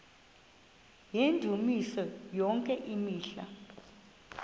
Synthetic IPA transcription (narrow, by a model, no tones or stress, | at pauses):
jendʱumisɔjɔŋkʼɛʔimiːɬa̰